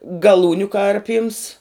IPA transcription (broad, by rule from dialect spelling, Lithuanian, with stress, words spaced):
ɡɐˈlˠuːnʲʊ ˈkɐrʲpʲiːms